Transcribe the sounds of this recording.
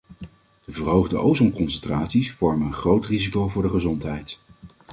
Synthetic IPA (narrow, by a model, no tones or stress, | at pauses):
d̥əvəɹɦowχdəʔowzɔmkɔnsɛntraːtsisfɔɹmənənχrowtrizikowvʊːɹdəχəzɔntɦɛjt